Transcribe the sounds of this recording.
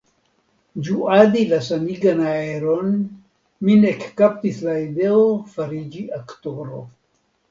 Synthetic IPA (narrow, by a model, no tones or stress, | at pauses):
d͡ʒuad̪ilasaniɡanaeɾon | minekːaptislaid̪eofaɾid͡ʒiʔaktoɾo̰